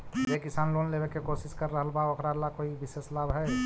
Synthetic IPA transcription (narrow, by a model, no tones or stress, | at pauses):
jekɪsaːnloːnlebekekosɪskəɾːəɦəlbaokʰɾalakoːibɪseslaːbɦɛ